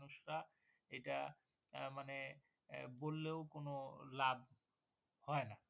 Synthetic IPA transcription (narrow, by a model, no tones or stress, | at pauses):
nuʃɾa | ejʈa | mane | bolːeokonolab̚ | hɔena